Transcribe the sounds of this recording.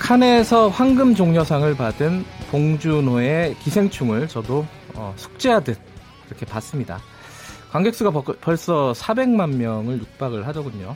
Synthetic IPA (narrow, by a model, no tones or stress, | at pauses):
kʰane̞sʰʌɸwaŋɡɯmd͡ʑoŋɲʌsʰaŋɯɭpadɯnpoŋd͡ʑunoe̞kisʰe̞ŋt͡ɕʰuŋɯɭt͡ɕʌdo | ʌ̰sʰu̥k̚t͡ɕ͈ejadɯt̚ | iɾʌkʰe̞pas͈ɯmɲida̰ | kwaŋɡe̞k̚s͈uɡapʌɭs͈ʌsʰabe̞ŋmanmjʌŋɯɭjuk̚p͈aɡɯɭhadʌɡuɲo